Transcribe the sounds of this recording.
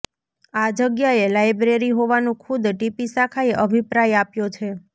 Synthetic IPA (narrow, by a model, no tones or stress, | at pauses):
ad͡ʒəɡjaelajbɾeɾiɦoʋanũkʰud̪ʈipisakʰaeʔəbʱipɾajapjot͡ʃʰe